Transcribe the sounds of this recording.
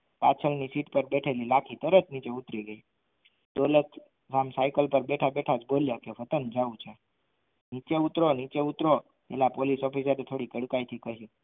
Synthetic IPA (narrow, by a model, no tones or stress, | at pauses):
pat͡sʰəlnisiːʈpəɾbeʈʰəliːlakʰiːt̪əɾət͡smit͡ɕeut̪ɾiɡei | t̪olət̪ | samsajkəlpəɾbeʈʰabeʈʰat͡sboljakeʋət̪ənd͡zaut͡ɕã | nit͡ɕeut̪ɾɔnit͡ɕeut̪ɾɔ | jɛ̰lapoliːsɔfis̬aɾet̪ʰoɽiːkəɽkajt̪ʰiːkəɦiː